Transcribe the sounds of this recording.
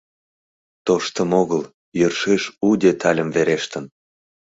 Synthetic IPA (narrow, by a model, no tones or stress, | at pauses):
t̪oʃt̪əmoɣəl | jørʃeʃud̪ʲet̪ʰɑlʲəmveɾeʃt̪ən